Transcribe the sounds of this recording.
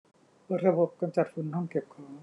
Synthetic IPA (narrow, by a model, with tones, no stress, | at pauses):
pɤː˨˧˩t̪̚ɾa˧bo˨˩p̚ka˧nt͡ɕa˨˩t̪̚fu˧nhɔ˥˩ŋke˨˩p̚kʰɔ˧˦ŋ